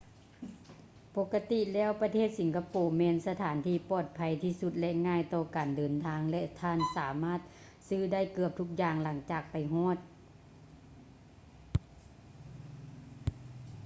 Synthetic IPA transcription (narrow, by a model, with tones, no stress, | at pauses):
po˧kːa˧t̪i˧˨lɛː˥˨wpa˧t̪ʰeː˥˨t̪̚si˨˦ŋkʰa˧poː˨˩mɛː˧˨nsa˧t̪ʰaː˩˦nt̪ʰiː˧˩pɔː˧˩t̪̚pʰa˧˦jt̪ʰiː˧˩su˧t̪̚lɛ˧ŋaː˧˥˨jt̪ɔː˧kaː˨ndɤː˨˩nt̪ʰaː˧˥ŋlɛ˧˥ʔt̪ʰaː˧˥˩nsaː˩˦maː˥˩t̪̚ | sɯː˧˥da˥˨jkɯ˧əp̚t̪ʰu˧˥k̚jaː˧˩ŋla˩˦ŋt͡ɕaː˨˩k̚pa˨˩jɦɔː˧˥˨t̪̚